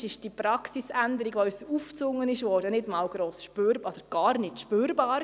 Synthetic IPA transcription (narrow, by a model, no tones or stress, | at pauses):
ɪʃd̥ipɾɑksisændəɾiɡʋoːysuft͡sʊŋːənɪʃʋɔːɾd̥ənɪdmɑːwɡ̥ɾoːsʃpøːɾɔd̥əɾɡ̥ɑːɾnɪtʃpøːɾbɑːɾ